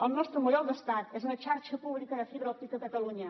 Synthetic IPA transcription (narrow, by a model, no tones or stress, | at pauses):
əlˠnɔst̪ɾəmujɔlˠd̪əst̪at̪ezunət͡ʃaɾʃəpuβlikəðəfiβɾəɔp̚t̪ikəkət̪əluɲə